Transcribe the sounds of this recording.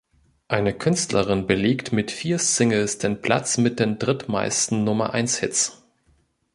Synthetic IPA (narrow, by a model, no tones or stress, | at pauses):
ʔaɪnəkʰʏnstlɐʁɪnbəleːktmɪtfiːɐst͡sɪŋəlsd̥eːnpʰl̥a̰t͡smɪt̚d̥eːndʁɪtma̰ɪstn̩nʊmɐʔa̰ɪnshɪt͡s